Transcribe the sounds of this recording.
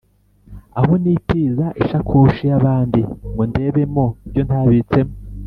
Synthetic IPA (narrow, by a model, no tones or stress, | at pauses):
aɦo̞nitiːzaʔiʃakʰuʃijaβaːndimɡonde̞ːβe̞mo̞ibɟo̞ntaːβit͡se̞mo